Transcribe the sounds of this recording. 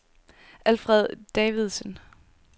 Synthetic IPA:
ʔælfʁɛð̞̰ˠd̥ɛːʋiðˠsən

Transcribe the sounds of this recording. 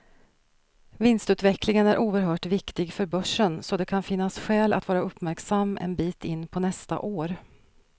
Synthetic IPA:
vɪnst̪ʉ̟ːt̪vɛklɪŋənæɾʔuːəɾɦœːʈvɪkt̪ɪɡfœɾbœʂːənsɔd̪ɛkʰanfɪnːasɧɛːla̰t̪vɑːɾaɵpːmæɾksamːɛ̰nbiːt̪ɪnːpʰɔnɛst̪a̰ʔoːɾ

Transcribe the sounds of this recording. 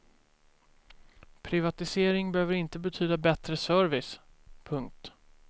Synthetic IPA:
pʰɾɪvat̪ɪseːɾɪŋbɛhøːvəɾɪnt̪əbɛt̪ʰyːd̪abɛt̪ɾəsœɾvɪspʰɵŋk̚t̪

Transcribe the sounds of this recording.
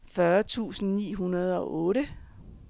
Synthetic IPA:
fɶɐt͡sʰṵːsn̩nḭːɦunɐð̞ˠɒ̽ʔɔ̽ːɾə

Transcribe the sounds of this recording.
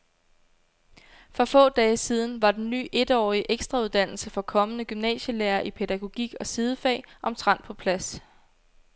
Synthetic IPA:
fʁɒfɔ̰̽ːd̥ɛːəsiːð̞ˠn̩ʋɑ̈d̥enːy̰ːʔe̝d̥ɒ̰ːiəʔeɡ̥sd̥ʁɑuðˠd̥æn̰l̩səfɒ̽kʰɒ̽mənəɡ̥ymnɛ̰ːɕəleːɐʔipʰe̝d̥æɡ̥o̝ɡ̥iɡ̥ɒ̽sið̞ˠəfɛ̰ːʔɒ̽mt͡sʰʁɑ̈n̰̥̚pʰɒ̽pʰlæs

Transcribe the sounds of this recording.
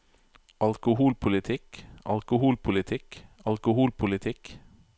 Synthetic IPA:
ʔɑlkʊhuːlpʰʊlɪt̪ʰɪkʔɑ̰lkʊhuːlpʰʊlɪt̪ʰɪkɑ̰lkʊhuːlpʰʊlɪt̪ʰɪk

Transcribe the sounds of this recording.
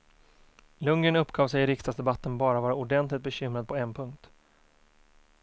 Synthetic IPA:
lɵŋːənɵpːɡɑːvsɛjɪɾɪkst̪asd̪ɛbat̪ːənbɑːɾavɑːɾaʊɖɛnt̪lɪkt̪̚bɛɕʏmɾad̪̚pʰɔɛnpʰɵŋkt̪

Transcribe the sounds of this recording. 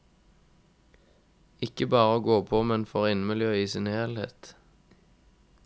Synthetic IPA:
ɪkəbɑːʁəoːɡoːpʰoːmɛnfɔʁɪnmɪljøːiːsɪnheːlhḛːt̪

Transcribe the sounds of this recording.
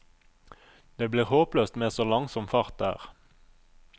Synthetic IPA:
d̪̥eːbliːʁhoːpløːst̪meːsoːlɑŋsɔmfɑʁt̪̚d̪æ̰ːʁ

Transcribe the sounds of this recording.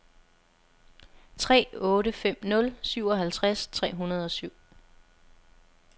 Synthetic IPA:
t͡sʰʁɛ̰ːɔ̽ːɾəfem̰nɔ̽lsyʊ̰ɒ̽ɦælt͡sʰʁast͡sʰʁɛ̰ːɦunɐð̞̩ˠɒ̽syʊ̰

